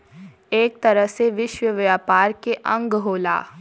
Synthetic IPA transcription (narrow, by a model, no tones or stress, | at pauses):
eːk̚t̪ɐɾəɦseʋɪʃwəʋjaːpaːɾkeʔɐ̃ŋɡɦoːla̰ː